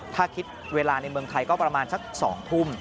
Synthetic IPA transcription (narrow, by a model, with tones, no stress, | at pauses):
t̪ʰaː˥˩kʰi˦˥t̪̚ | weː˧laː˧na˧jmɯ˧əŋt̪ʰa˧jkɔː˥˩pɾa˧maː˧nsa˦˥k̚sɔ̰ː˩˦ŋt̪ʰu˥˩m